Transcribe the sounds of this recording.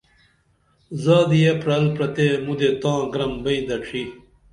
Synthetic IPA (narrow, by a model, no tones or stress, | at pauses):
zaːd̪ijepɾɐlpɾɐt̪emud̪et̪ãːɡɾɐmbɐĩd̪ɐʈ͡ʂʰi